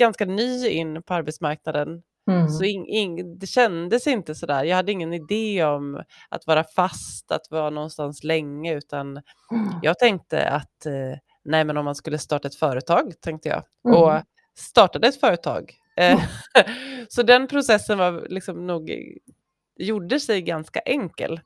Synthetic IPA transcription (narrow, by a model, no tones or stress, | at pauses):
ɡ̥anskanyːɪ̰nːpʰɔaɾbɛt̪smaɾk̚nad̪ən | sɔɪɪd̪ɛɕɛnd̪əsɪnt̪əsɔd̪æːɾjɑːɡhad̪ːəɪŋːənɪd̪eːɔmʔa̰t̪vɑːɾafast̪a̰t̪vɑːɾanɔnst̪anslɛŋːəʉ̟ːt̪an | jɑ̰ːɡ̚t̪ʰɛŋk̚t̪ə̰a̰t̪ | nɛjmɛnɔmːanskɵlːəst̪ɑːʈaɛt̪fœːɾət̪ʰɑːɡt̪ʰɛŋk̚t̪əjɑ̰ː | ɔ | st̪ɑːʈad̪əɛt̪fœːɾət̪ʰɑ̰ːɡ | sɔd̪ɛnpʰɾʊsɛsːənvaɾlɪksɔmnuːɡ | juɖəsɛjɡanska̰ʔɛŋkə̰l